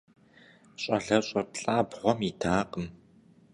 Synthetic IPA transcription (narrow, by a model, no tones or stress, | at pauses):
ɕʼɐɮɐɕʼɐpɬʼaːbʁʷɔmitʰaːqəm